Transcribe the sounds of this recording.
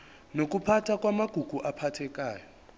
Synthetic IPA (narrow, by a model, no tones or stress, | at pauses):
nok̬upʰatʰak̬ʼwamaɡ̥ʱuɡ̥ʱuʔapʰatʰɛkaːjɔ